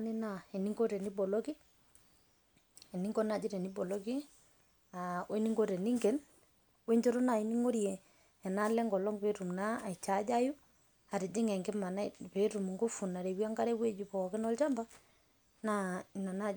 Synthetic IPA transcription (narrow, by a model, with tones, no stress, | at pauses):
nɪ˦na˦˨ɛ˨ni˦ŋɡo˦ɾɛ˨ni˦bɔ˨lɔ˦ki˦ | ɛ˨ni˦ŋɡɔ˦na˨d͡ʒɪ˦ɾɛ˨ni˦bɔ˨lɔ˦ki˦ | a˨we˦ni˦ŋɡo˦ɾɛ˨ni˦ŋɡe˨˦n | we˦ɲd͡ʒo˦ɾo˦na˨i˨ni˦ŋo˦ɾjɛ˨ | ɛ˨na˦lɛ˦ŋɡɔ˨lɔ˦ŋpe˦ɾu˨mna˦a˨i˨t͡ʃa˨˦d͡ʒa˦ju˦ | a˨ɾɪ˨d͡ʒɪ˦ŋɛ˨ŋɡɪ˦ma˨na˦pe˨˦ɾu˨m˨ŋɡo˦fu˨na˨ɾe˨wi˦a˦ŋɡa˦ɾɛ˦we˦d͡ʒu˨pɔ˨kɪ˦nɔ˦lt͡ʃa˦mba˦ | na˦i˨na˨na˦˨